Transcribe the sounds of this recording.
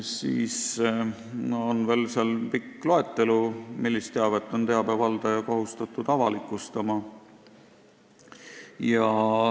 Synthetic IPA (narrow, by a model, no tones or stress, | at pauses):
sḭːs | onve̞ːlseɑlpikːˑlo̞e̞t̪ːˑe̞lumilːist̪ːeɑvet̪ˑːo̞nt̪eɑb̥evɑld̪̥ɑjɑkoɦust̪ɑt̪ːˑud̪̥ɑvɑlikːˑust̪ɑmɑ | jɑ